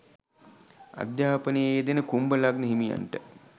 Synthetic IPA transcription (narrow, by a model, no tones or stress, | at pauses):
a̰d̪jaːpənejeːd̪enəkumbəlaɡnəɦimija̰nʈə